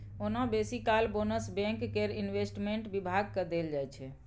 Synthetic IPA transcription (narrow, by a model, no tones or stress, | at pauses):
onabesikalbonəsbɛ̃ŋkːeɾinʋesʈmeɳʈbibʱaɡ̚kəd̪eld͡ʒajt͡ʃʰɛ